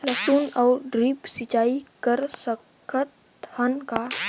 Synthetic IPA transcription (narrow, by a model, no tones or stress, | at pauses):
ləsuːnɔːɾɖɾiːpsɪt͡ʃaːikəɾsəkʰət̪ | hənka